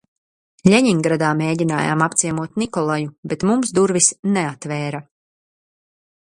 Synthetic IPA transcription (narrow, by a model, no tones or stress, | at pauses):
lʲɛɲiŋɡɾad̪aːmeːɟʲina̰ːja̰ːmapt̪siɛmuɔt̪nikɔlˠajubet̪mumsd̪uɾvisneat̪vɛːɾa